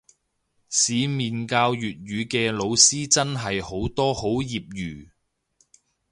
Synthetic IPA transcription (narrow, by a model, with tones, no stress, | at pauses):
siː˨˧miː˨nkaː˧wjyː˨t̚ɥyː˨˧kɛː˧lo˨˧wsiː˥t͡sɐ˥nɦɐ˨jho˨˥wt̪ɔː˥ho˨˥wjiː˨p̚jyː˨˩